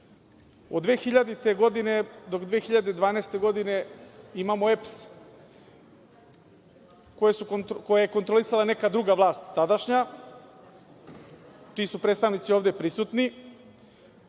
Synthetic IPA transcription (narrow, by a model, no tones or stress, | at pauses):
od̪ʋeːxiʎad̪it̪e̞ɡo̞d̪ine̞d̪o̞kd̪ʋeːxiʎad̪e̞d̪ʋaːneːst̪e̞ɡo̞d̪ine̞imamo̞eps | ko̞jesuko̞jaje̞kont̪ɾolisalane̞kad̪ɾuɡaʋlˠaːst̪ːad̪aʃɲa | t͡ʃiːsupɾet̪st̪aʋnit̪sioːvd̪e̞pɾisut̪ni